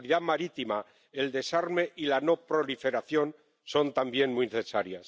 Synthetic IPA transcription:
liðamaɾit̪ima | eld̪e̞saɾme̞ʔilano̞pɾo̞life̞ɾaθjo̞n | so̞nt̪ambje̞nmujneθesaɾjas

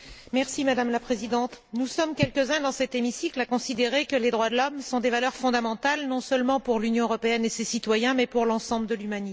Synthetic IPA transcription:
mɛʁsimad̪amlapχezid̪ɑ̃t̪nusɔmkʲɛlkəzɛ̃d̪ɑ̃sɛt̪emisiklakɔ̃sid̪eʁekəled̪ʁwad̪əlɔmsɔ̃d̪evalœʁfɔ̃d̪amɑ̃t̪alnɔ̃sœlmɑ̃puʁlynjɔ̃əʁɔpeɛnesesit̪wajɛ̃mɛpuʁlɑ̃sɑ̃bləd̪əlymani

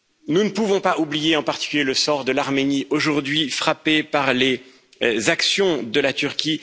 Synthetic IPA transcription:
nunəpuvɔ̃paʔublijeɑ̃paʁt̪i̥kʲyljeləsɔʁd̪əlaʁmeniʔoʒuʁd̪ɥifχapepaʁle | zaksjɔ̃d̪əlat̪yʁkʲi

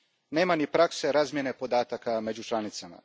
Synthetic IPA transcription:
ne̞ːmanipɾakse̞ɾaːzmje̞ne̞po̞d̪aːt̪akame̞d͡ʑut͡ʃlˠanit̪sama̰

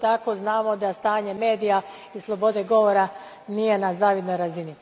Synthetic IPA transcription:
t̪ako̞znaːmo̞d̪ast̪aːɲe̞me̞ːd̪ija | islˠo̞bo̞d̪e̞ɡo̞ʋo̞ɾa | nije̞nazaːʋjed̪nojɾazini

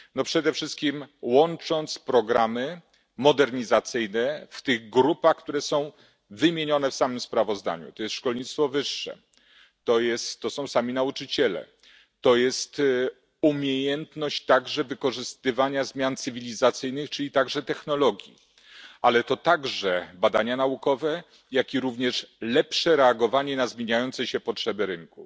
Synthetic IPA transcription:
nɔpʂɛd̪ɛfʂɘst̪̚kʲimwɔnt͡ʂɔnt̪spɾɔɡɾamɘ | mɔd̪ɛɾɲizat̪sɘjnɛft̪ɘɣɡɾupaxkt̪uɾɛsɔ̃w̃ | vɘmʲjeɲɔnɛfsamɘmspɾavɔzd̪a̰ɲṵt̪ɔjɛst̪ʂkɔlɲit̪st̪fɔvɘʂːɛ̰ | t̪ɔjɛst̪ːɔsɔ̃w̃samʲinaut͡ʂɘt͡ɕɛlɛ̰ | t̪ɔjɛst̪ | umʲjejɛnt̪nɔɕt͡ɕt̪aɡʐɛvɘkɔʐɘst̪ɘvaɲazmʲjant̪sɘvʲilʲizat̪sɘjnɘxt͡ʂɘlʲit̪aɡʐɛt̪ɛxnɔlɔɡʲjḭ | ʔalɛt̪ɔt̪aɡʐɛbad̪aɲanaukɔvɛ | jakʲiɾuvɲɛʂlɛpʂɛɾɛaɡɔvaɲɛnazmʲjeɲajɔnt̪sɛɕɛpɔtʂɛbɘɾɘŋku

